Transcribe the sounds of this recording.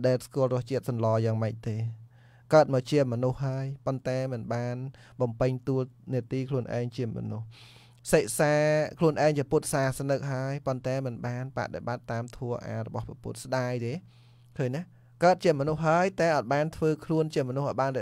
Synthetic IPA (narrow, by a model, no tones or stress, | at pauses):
ɗaɛlskuəlrʊəht͡ɕiət̪̚sɑnlɑːjaːŋməc̚t̪eː | kaət̪̚mɔːt͡ɕiəmɔnuhːaəjpont̪aɛmɨnɓaːn | ɓɑmpɨɲt̪uəlniət̪iːkʰluənʔa̰ɛŋt͡ɕiəmɔ̰nuh | seʔ̚saːkʰluənʔaɛŋt͡ɕiəput̪̚saːsnɨk̚ɦaəjpont̪aɛmɨnɓaːnpa̰ʔɗḛɓat̪ːaːmt̪ʰuəʔa̰ːɾɔ̰ɓɑhprɑpṵt̪̚sɗaːjt̪eː | kʰəːɲna | kaət̪̚t͡ɕiəmɔnuhːaəjt̪aɛʔɑːt̪̚ɓaːnt̪ʰʋəːkʰluənt͡ɕiəmɔnuhʔjɓaːnrɛ